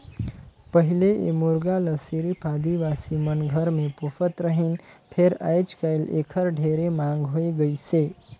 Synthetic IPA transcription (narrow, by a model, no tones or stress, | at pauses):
pəɦileʔḛmuɾɡaləsiɾipad̪iʋasimənɡʱəɾmẽpopfʰət̪ɾəɦinpʰeɾa̰jd͡ʒkajlḛkʰəɾɖʱeɾemãŋɡɦoiɡəjt͡ʃʰe